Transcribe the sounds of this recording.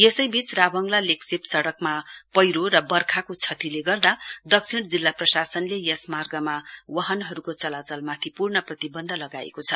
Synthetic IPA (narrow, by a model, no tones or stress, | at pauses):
jesʌjbit͡srabʌŋɡlaleksipsʌɽʌkmapʌjɾorʌbʌrkʰakot͡sʰʌt̪ileɡʌrd̪ad̪ʌk̚t͡sʰiɽd͡zilːaprʌsasʌnlejʌsmarɡʌmawʌɦʌnɦʌɾukot͡sʌlat͡sʌlmat̪ʰipurɳʌprʌt̪ibʌnd̪ʱʌlʌɡa̰ḛkot͡sʰʌ